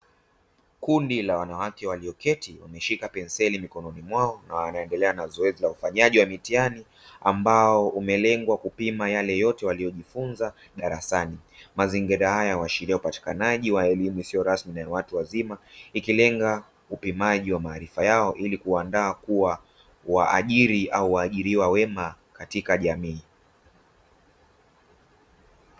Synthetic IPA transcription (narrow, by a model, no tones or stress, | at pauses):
kundilawanawakɛwaliɔkɛtiwa̰mɛʃikapɛnsɛlimikɔnɔnimwaɔnawanaɛndɛlɛanazɔɛzilaufaɲaʄiwamitiani | ambaɔumɛlɛŋɡwakupimajalɛjɔtɛwalijɔʄifunza | ɗaɾasanimaziŋɡiɾahajawaʃiɾiaupati̥kanaʄiwaɛlimuisijɔɾasminawatuwazimaikilɛŋɡa | upimaʄiwamaːɾifajaɔʔilikuandaːkuwa | waʔa̰ʄiɾiʔauwaːʄiɾiwawɛma | katikaʄamiː